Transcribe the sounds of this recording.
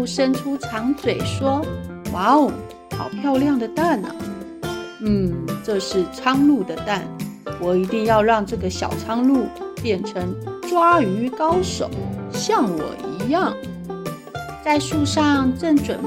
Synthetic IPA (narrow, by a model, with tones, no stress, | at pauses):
ʂə˥nʈ͡ʂʰu˥ʈ͡ʂʰɑ˧˥ŋt͡swe˨˩ɪʂwɔ˥ | wa˧˥ʊ | xɑ̰˨˩ʊpʰjɑ˥˧ʊljɑ˥˩ŋd̪ə˩t̪a˥˩nə̰˩ | n̩˥˩ʈ͡ʂɤ˥˧ʂɻ̩˥˩t͡sʰɑ˥ŋlu˥˩d̪ə˩t̪a˥˩nwɔ˨˩i˧˥t̪i˥˧ŋjɑ˥˧ʊɻɑ˥˧ŋʈ͡ʂɤ˥˩ɡə˩ɕjɑ̰˨˩ʊt͡sʰɑ˥ŋlu˥˧pjɛ˥˩nʈ͡ʂʰə˧˥ŋʈ͡ʂwa˥y˧˥kɑ˥ʊʂo̰˨˦ʊɕjɑ˥˩ŋwɔ̰˨˩i˧˥jɑ˥˩ŋ | t͡sa˥˧ɪʂu˥˧ʂɑ˥˩ŋʈ͡ʂɤ˥˩ŋʈ͡ʂwə˨˩n